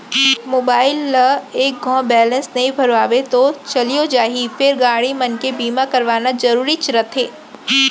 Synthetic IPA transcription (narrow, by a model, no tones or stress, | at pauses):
moːbaːɪlːəeːk̚ɡʱɔ̃ːbɛːlə̃nsnɐɦĩbʱɐɾʋaːʋet̪ot͡ʃɐliod͡ʒaːɦifɪɾɡaːɽimɐnkebiːmakɐɾʋaːnazɐɾuːɾit͡ʃɾət̪ʰɦeː